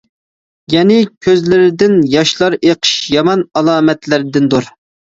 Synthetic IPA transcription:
jɛnɪkʲʰøzlɪɾɪd̪ɪnjɑʃlˠɑɾeqʰə̥ʃjɑmɑnɑlˠɑːmɛt̪lɪɾɪd̪ɪnd̪oɾ

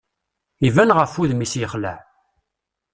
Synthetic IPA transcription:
ivænʁəfuðmisjəχlæ̰ħ

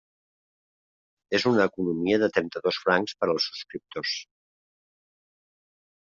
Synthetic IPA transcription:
ezunəːkunumiəðət̪ɾɛnt̪əðosfɾaŋkspəɾəlˠsːu̥skɾip̚t̪os

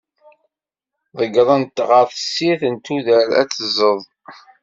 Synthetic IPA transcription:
ðˤəɡɾˤənt̪ːʁəɾθəsːiθənt̪uðəɾæ̰t͡sːəzəðˤ

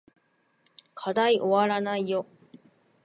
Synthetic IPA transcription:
kʰad̪aiʔoβaɾanaijo

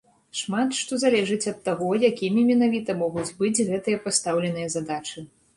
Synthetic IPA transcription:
ʂmat̪ʂt̪ɔzalʲɛʐɨt͡sʲɐt̪ːaɣɔjakʲimʲimʲɛnavʲit̪ɐmɔɣud͡zʲbɨd͡zʲɣɛt̪ɨjɐpast̪awlʲɛnɨjɐzad̪at͡ʂɨ

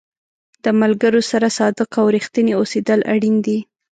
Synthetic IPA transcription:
d̪̥əmalɡəɾosaɾasɑd̪əqawɾixt̪əneosed̪əlʔa̰ɽind̪i

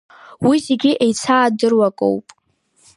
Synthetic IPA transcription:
wizeɡʲiʔejt͡sʰaːdɨrwakʼo̰wpʼ

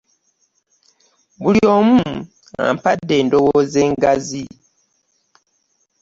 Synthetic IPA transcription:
βuljo̞ːmu | a̰mpadːe̞ːndo̞woze̞ːŋɡazi

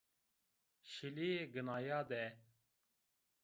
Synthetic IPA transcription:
ʃilieɡɨnaːjɑːd̪ɛ

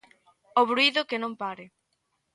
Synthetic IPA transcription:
oβɾuiðʊkɪnõmpaɾɪ

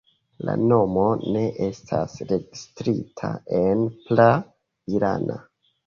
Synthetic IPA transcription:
la̰no̞mo̞ne̞ʔe̞stʰasɾe̞ɡistɾitʰae̞npla | iɾa̰na

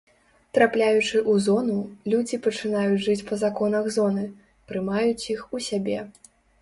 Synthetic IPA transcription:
t̪ɾaplʲajut͡ʂɨʔuzɔnulʲud͡zʲipɐt͡ʂɨnajut͡sʲʐɨt͡sʲpɐzakɔnɐɣzɔnɨ | pɾɨmajut͡sʲjixusʲabʲɛ

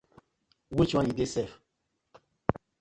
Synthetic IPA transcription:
wit͡ʃuãjidesɛf

